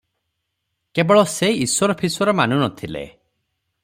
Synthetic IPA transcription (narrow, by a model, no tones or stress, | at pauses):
kebɔɭɔseiswɔɾɔpʰiswɔɾɔmanunɔt̪ʰilḛ